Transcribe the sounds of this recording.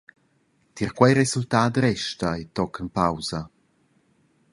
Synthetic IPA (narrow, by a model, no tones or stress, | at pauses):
t̪iɾkwajɾesultaːdɾɛʃtajt̪ɔkʰənpawzɐ